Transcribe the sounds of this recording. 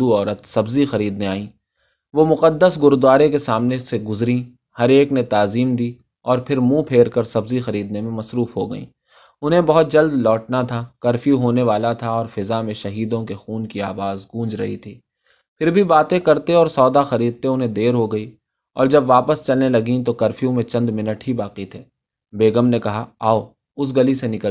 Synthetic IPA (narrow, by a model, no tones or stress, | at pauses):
uɔːɾət̪sɐbzixɐɾiːd̪neaːĩː | ʋomʊqəd̪ːəsɡʊɾd̪aːɾekesaːmneseɡʊzɾĩ | hɐɾeːknet̪aːziːmd̪iː | ɔːɾpʰɪɾmũːpʰeːɾkəɾsɐbzixɐɾiːd̪nemẽmɐsɾuːfɦoɡɐ̰ḭ̃ː | ʊnɦẽbɐɦʊt̪̚d͡ʒɐld̪lɔːʈnat̪ʰakɐɾfjũɦoːneʋaːlat̪ʰaɔːɾfɪzamẽʃɐɦiːd̪õkexuːnkiaːʋaːzɡũːd͡ʒɾɐ̰ɦḭt̪ʰiː | pʰɪɾbʱibaːt̪ẽkɐɾt̪eɔːɾsɔːd̪axɐɾiːd̪̚t̪eʊnɦẽd̪eːɾɦoɡɐi | ɔ̰ːɾd͡ʒɐbʋaːpəst͡ʃɐlnelɐɡĩt̪̬okɐɾfijũmẽt͡ʃɐ̃nd̪mɪnəʈɦibaːqit̪ʰeː | beːɡəmnekɐɦaaːo | ʊs̬ɡɐlisenɪkəl